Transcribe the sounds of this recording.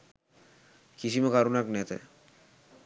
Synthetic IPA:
kiʃimekaɾunaknɛt̪ḛ

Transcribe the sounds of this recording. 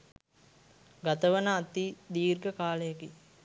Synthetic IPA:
ɡat̪əʋənəːt̪id̪iːrɡəkaːləjəki

